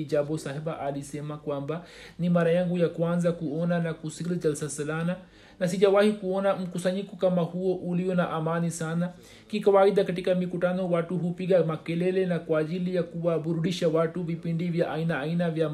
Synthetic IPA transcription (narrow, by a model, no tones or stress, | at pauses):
id͡ʒabɔsahɛbaʔalisɛmakwambanimaɾajaŋɡujakwanzakuɔnanakusilid͡ʒalsasɛlana | nas̬iʄawahikuɔnam̩kusaɲikɔkamahuɔʔuliɔnaʔamanisana | kikawaiɗakatikamikutanɔwatuhupiɠamakɛlɛlɛnakwaːʄilijakuwaɓuɾuɗiʃawatuvipindivjaʔainaːinavja